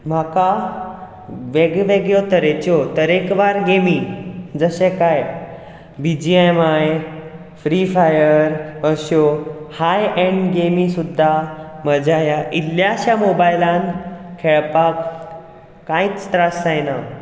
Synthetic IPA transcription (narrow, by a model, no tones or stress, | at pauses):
m̤aka | ʋeɡʋeɡjɔt̪əɾet͡ɕɔt̪əɾekʋaɾɡemid͡zəɕẽkaj | bid͡ʑiemaj | fɾifajəɾəɕohajɛ̃ɳɖɡemisud̪ʱːaməd͡ʑajaʔiljaɕjamobajlãnkʰeɭpakː | ãit͡st̪ɾasajna